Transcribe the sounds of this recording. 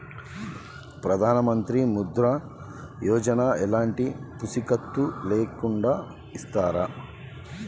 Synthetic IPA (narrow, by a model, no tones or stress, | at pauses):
pɾɐd̪ʱaːnɐmɐnt̪ɾimud̪ɾɐ | jɔːd͡ʒɐnaɛlaːɳʈipusikɐt̪ːuleːkuɳɖaː | ist̪aːɾɐ